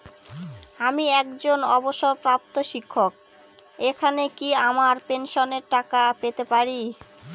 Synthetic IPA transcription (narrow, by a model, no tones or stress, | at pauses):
amiɛkd͡ʑonɔboʃoɾpɾap̚t̪oʃikʰːok̚ | ekʰanekiamaɾpenʃoneɾʈakapet̪epaɾi